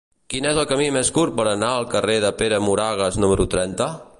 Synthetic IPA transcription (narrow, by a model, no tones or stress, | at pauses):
kinezəlˠkəmimeskurpəɾənaəlˠkəreðəpeɾəmuɾaɣ̞əznuməɾut̪ɾɛnt̪ə